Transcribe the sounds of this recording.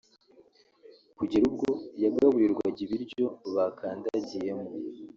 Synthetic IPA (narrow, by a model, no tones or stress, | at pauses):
kuɟiɾub̚ɡo̞jaɡɡaβujiɾɡwaɟiβiɾɟo̞βakʰaːndaɟije̞mu